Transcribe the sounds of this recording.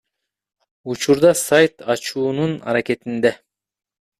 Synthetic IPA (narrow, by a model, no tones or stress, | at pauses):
ut͡ʃuɾd̪ɑsajt̪ɑt͡ʃuːnunɑ̰ɾake̞t̪ind̪e